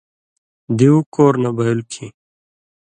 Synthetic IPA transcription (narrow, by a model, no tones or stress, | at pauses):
d̪iukoːɾnabʱɐjulkʰi